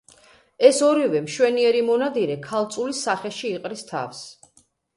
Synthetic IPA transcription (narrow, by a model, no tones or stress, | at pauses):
ɛsɔɾivɛmʃwɛniɛɾimɔnad̪iɾɛkʰalˠt̪sʼulisaχɛʃiːqʼɾist̪ʰa̰fs